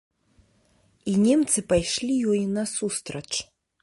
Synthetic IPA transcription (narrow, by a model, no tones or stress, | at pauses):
inʲɛmt̪sɨpajʂlʲijɔjnɐsust̪ɾɐt͡ʂ